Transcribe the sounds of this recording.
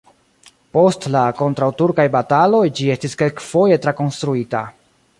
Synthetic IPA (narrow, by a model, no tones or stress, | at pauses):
po̞stlako̞ntɾawtuɾkajbatalo̞jd͡ʒie̞stiske̞lkfo̞je̞tɾako̞nstɾuita̰